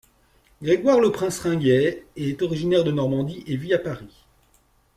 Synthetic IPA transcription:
ɡʁeɡwaʁləpχɛ̃sʁɛ̃ɡɛɛt̪ɔʁiʒinɛʁd̪ənɔʁmɑ̃d̪iʔeviapaʁi

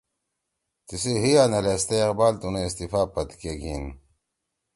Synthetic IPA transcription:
t̪isiɦianɐlest̪eːqbaːlt̪uneist̪ifaːpɐt̪keɡiːn

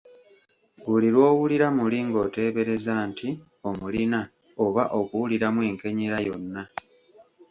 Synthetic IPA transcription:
βuliɾwo̞ːwuliɾamuliŋɡo̞ːte̞ːβe̞ɾe̞zaːntʰi | o̞mulina | o̞βaʔo̞kuwuliɾamwe̞ːŋke̞ɲeɾajo̞nːa

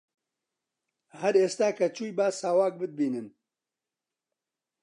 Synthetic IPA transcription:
hɐɾeːst̪aːkʰɐt͡ʃuːjbaːsaːwaːk̚bɨd̪̚biːnɨn

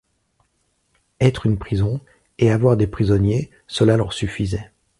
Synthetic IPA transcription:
ɛt̪χynpχizɔ̃ | eavwaʁd̪epχizɔnje | səlalœʁsyfizɛ

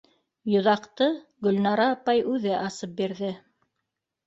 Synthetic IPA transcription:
jŏðɑqt̪ɤɡɵ̆lnɑɾɑːpɑjʉðɘʔɑsɤp̚biɾðɘ

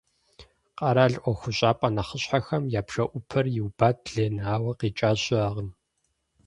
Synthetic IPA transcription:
qɐɾaːɮʔʷɔxʷʊɕʼaːpʼɐnɐχəɕħaxɐmjaːpʰʂɐʔʷʊpʰɐrjɪwbaːt̚ɮeːnaːwɐqiːt͡ʃʼaːɕɪaʁən

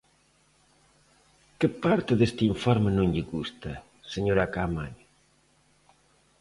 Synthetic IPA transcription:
kɪpaɾt̪ɪðest̪iɱfɔɾmenũŋʎɪɣust̪ɐ | seɲoɾakamaɲ

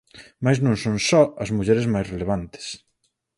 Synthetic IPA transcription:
majznõŋsonsɔɐzmuʎɛɾɪzmajsreleβ̞ant̪ɪ̥s

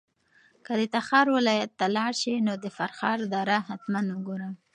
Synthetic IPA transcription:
kəd̪ət̪axɑɾwɪlɑjat̪ːalɑɽʃinod̪əfaɾxɑɾd̪ɑɾaɦat̪manwʊɡoɾa

